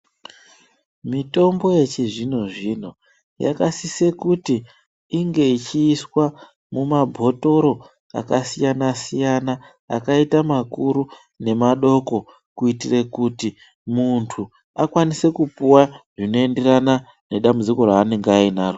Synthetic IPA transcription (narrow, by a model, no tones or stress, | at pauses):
mito̞mbo̞je̞t͡ʃiʐinoʐin̤o | ja̰kasise̞kutiː | ŋɡe̞it͡ʃiːswa | mumabʱo̞to̞ɾo̞ | a̰kasijanasijana | a̰kaitamakuɾu | ne̞maɗo̞ko̞ | kuitire̞kuti | muntʰu | akwanise̞kupuwaʐino̞e̞nde̞rana | ne̞ɗambud͡ziko̞ɾaːne̞ŋɡainaːro